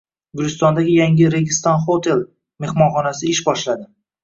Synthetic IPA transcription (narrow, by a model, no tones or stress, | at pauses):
ɡʊɾɪst̪ɒnd̪aɡʲɪjaŋʲɪɾeɡʲɪst̪ɒnχot̪ʰe̞l | me̞hmɒnχɒnasɪɪʃbɒʃlad̪ɪ